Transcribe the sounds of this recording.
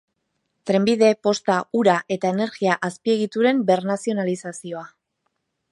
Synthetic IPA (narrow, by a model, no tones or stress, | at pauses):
t̪ɾe̞mbiðe̞po̞st̪auɾaʔe̞t̪ae̞ne̞ɾɣiaʔaspie̞ɣ̞it̪uɾe̞mbe̞ɾnasio̞nalisasio̞a